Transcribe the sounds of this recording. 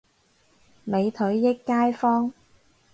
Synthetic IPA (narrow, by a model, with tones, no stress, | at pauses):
me˨˧jt̪ʰɵ˨˥ɥjɪ˥kːaː˥jfɔː˥ŋ